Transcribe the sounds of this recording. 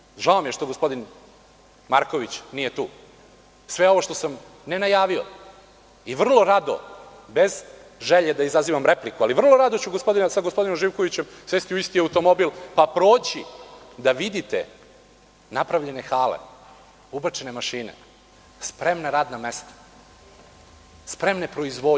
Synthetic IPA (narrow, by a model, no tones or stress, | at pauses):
ʒaomjeʃt̪o̞ɡospo̞d̪in | maɾko̞ʋit͡ɕnije̞t̪uː | sʋe̞o̞ʋoʃt̪o̞sam | ne̞najaːʋio̞̰ | iʋr̩lˠo̞ɾad̪o̞̰ | bez | ʒeʎed̪aizaziʋamɾeplikualiʋr̩lˠo̞ɾad̪o̞t͡ɕuɡospo̞d̪inasaɡospo̞d̪inomʒiːʋko̞ʋit͡ɕemsʋest̪iuist̪iaut̪o̞mobilˠpapɾoːt͡ɕid̪aʋid̪it̪ḛ | napɾavʎe̞ne̞xaːlḛ | ubɾt͡ʃene̞maʃiːnḛ | spɾemnaɾaːd̪namest̪ḁ | spɾe̞mnepɾo̞izʋo